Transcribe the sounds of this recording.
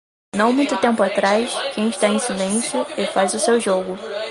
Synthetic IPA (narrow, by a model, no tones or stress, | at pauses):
nɐ̃w̃mũj̃t̪ʊt̪ẽmpʊat̪ɾajskẽj̃ɪʃt̪aẽj̃silẽsjʊefajzʊsewʒoɡʊ